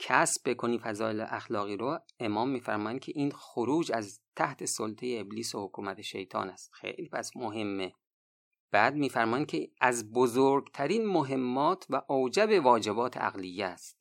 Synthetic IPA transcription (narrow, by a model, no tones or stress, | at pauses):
cʰæsb̚bekʰoniːfæzɒːelḛʔæxlɒːɣiːɾoemɒːmːiːfæɾmɒːjænd̪̥̚kʰe̞ʔiːnxoɾuːd͡ʒæzt̪ʰæht̪ʰe̞solt̪ʰejeːbliːsohokʰuːmæt̪ʰeʃe̞̰jt̪ʰɒ̰ːnæst̪xḛjliːpʰæsmoɦe̞mːe | b̥æːd̪̚miːfæɾmɒːjæn̥̚kʰeæzbozoɾɡt̪ʰæɾiːnmoɦe̞mːɒːt̪ʰvæʔowd͡ʒæbe̞vɒːd͡ʒe̞bɒːt̪ʰe̞̰ʔæ̰ɣlijːæst̪̚